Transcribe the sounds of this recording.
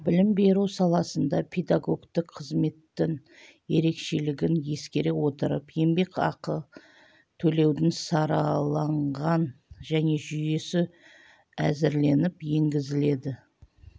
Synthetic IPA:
bɪlɪmbe̞ɾuwsɑlˠɑsənd̪ɑpʰed̪aɡo̞ɡt̪ɪqqʰəzme̞t̪ːɪŋ | je̞ɾe̞kʃe̞lɪɡʲɪnje̞skʲe̞ɾewo̞t̪əɾə̰pje̞mbe̞kɑ̰qə | t̪ʰɵle̞wd̪ɪnsɑɾɑlˠɑɴʁɑnʒæne̞ʒʏje̞sɪ | æzɪɾle̞nɪpje̞ŋɡʲɪzɪle̞d̪ɪ

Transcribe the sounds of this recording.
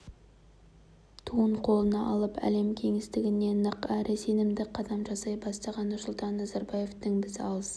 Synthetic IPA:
t̪ʰuəɴqʰo̞lˠənɑʔɑlˠəpæ̰le̞mkʲʰe̞ŋɪst̪ɪɡʲɪne̞nəqæɾʔɪse̞nɪmd̪ɪqʰɑd̪ɑmʒɑsɑjbɑst̪ɑʁɑnːʊɾsʊlˠt̪ɑnːɑzɑɾbɑje̞ft̪əŋbɪzɑlˠz

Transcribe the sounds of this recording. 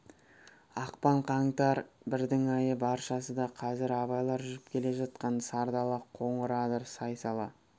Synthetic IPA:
ɑqpɑɴqʰɑɴt̪ɑɾbɪɾd̪ɪŋɑjəbɑɾʃɑsəd̪ɑqʰɑzɪɾɑβɑjlˠɑɾʒʏzɪp̚kʲʰe̞le̞ʒɑt̪̚qɑnsɑɾd̪ɑlˠəqʰo̞ɴəɾɑd̪əɾsɑjsɑlˠɑ

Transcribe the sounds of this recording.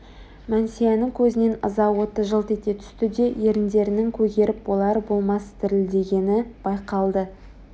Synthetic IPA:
mænsijenɪŋkʲʰɵzɪne̞nə̰zɑwo̞t̪əʒəlˠt̪et̪e̞t̪ʰʏ̥st̪ɪd̪e̞jeɾɪnd̪e̞ɾɪnɪŋkʲʰɵɡʲe̞ɾɪpwo̞lˠɑɾbo̞lˠmɑst̪ʰɪɾɪld̪e̞ɡʲe̞nɪb̥ɑjqɑlˠd̪ə

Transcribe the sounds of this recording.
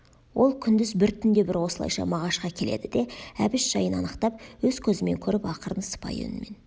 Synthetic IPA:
wʔo̞lˠkʲʰʏnd̪ɪzbɪɾt̪ʰʏnd̪e̞bɪɾwo̞səlˠɑ̰jʃɑ̰mɑʁɑʃqɑkʲʰe̞le̞̰d̪ɪd̪e̞æbɪʃʒ̥ɑjənɑnəqt̪ɑp̚wɵzkʲʰɵzɪme̞ŋkʲʰɵɾɪpɑqəɾənsə̥pɑ̰jɵ̰nɪme̞n

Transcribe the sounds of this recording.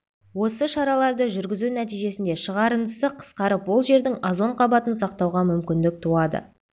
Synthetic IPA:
wo̞səʃɑɾɑlˠɑɾd̪əʒʏɾɡʲɪzunæt̪ijʒe̞sɪnd̪e̞ʃəʁɑɾənd̪əsəqʰə̥sqɑɾəpwo̞lˠʒe̞ɾd̪ɪŋɑzo̞ɴqʰɑbɑt̪ənsɑq̚t̪ɑwʁɑmʏmkʲɪnd̪ɪk̚t̪ʰuɑd̪ə̰

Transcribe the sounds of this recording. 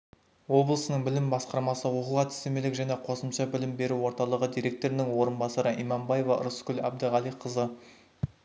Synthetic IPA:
wo̞blˠəsənəɴbɪlɪmbɑsqɑɾmɑsəwoqəlˠʁɑt̪ɪ̥st̪emelɪkʒæne̞qʰo̞səmʃɑbɪlɪmbe̞ɾuwo̞ɾt̪ɑlˠəʁəd̪ijɾʲe̞k̚t̪o̞ɾɪnɪŋwo̞ɾənbɑsɑɾəʔimɑmbɑjevɑ̰ɾʊskʲʏlæb̚d̪əʁɑlˠijqʰəzə

